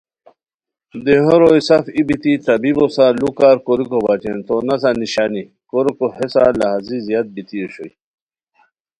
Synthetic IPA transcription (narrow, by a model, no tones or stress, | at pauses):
d̪eɦoɾojsafibit̪it̪ɐbibosalukaɾkoɾikobat͡ɕent̪onɐs̬aniɕaːni | koɾkohesa̰lɐɦazizjat̪̚bit̪ioɕo̰j